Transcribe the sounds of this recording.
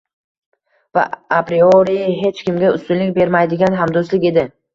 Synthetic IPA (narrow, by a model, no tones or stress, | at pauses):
va̰apɾioɾijɦe̞t͡ʃkʲɪmɡʲaʊst̪ʊnlɪk̚ʲbe̞ɾmajd̪ɪɡʲanɦamd̪oslɪkʲe̞d̪ɪ